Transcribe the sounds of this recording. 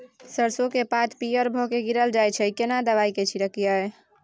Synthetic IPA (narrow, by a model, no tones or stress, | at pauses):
səɾsokepat̪pijəɾbʱokeɡiɾəld͡ʒajt͡ʃʰɛkenad̪əβajket͡ʃʰiɾəkijae